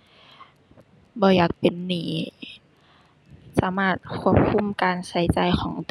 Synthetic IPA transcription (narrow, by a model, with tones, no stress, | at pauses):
bɔː˧˦jaː˨˩k̚pe˧˨nːiː˨˩˦ | saː˨˦maː˧˩t̪̚kʰu˧˥˩əp̚kʰu˧˥˨mkaː˧nsa˨˦jt͡ɕa˧jxʰɔː˩˦ŋt̪